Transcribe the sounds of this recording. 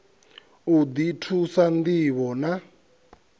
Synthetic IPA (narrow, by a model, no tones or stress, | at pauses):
ud̪itʰusand̪iβɔna